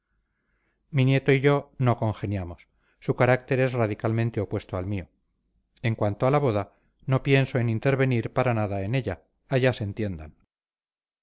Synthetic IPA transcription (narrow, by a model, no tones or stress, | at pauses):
minje̞t̪oiʝo̞no̞ko̞ŋxe̞njamosː | ukaɾak̚t̪e̞ɾe̞sraðikalmẽnt̪eopwe̞st̪oalmio | e̞ŋkwant̪oalaβo̞ða | no̞pje̞nso̞enint̪e̞ɾβe̞niɾpaɾanaðae̞ne̞ʎaː | ʝasent̪je̞nd̪an